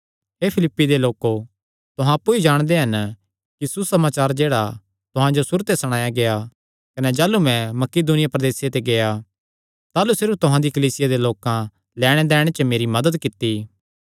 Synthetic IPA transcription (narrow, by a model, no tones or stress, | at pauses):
ɦeːpʰɪlɪpːid̪eloːko | t̪ʊɦãɐpːuid͡ʒaːɽ̃d̪eɦɐn | kisusɐmaːt͡ʃaːɾd͡ʒeːɽa | t̪ʊɦãd͡ʒosʊɾt̪esɐɽ̃aːjaɡea | kɐnɛd͡ʒaːlumɛ̃mɐkɪd̪unɪjapɾɐd̪eːsjet̪eɡeja | t̪aːlusɪɾut̪ʊɦãd̪ikɐliːsɪjad̪eloːkã | lɛːɽ̃ed̪ɛːɽ̃et͡ʃəmeːɾimɐd̪əd̪kɪt̪ːi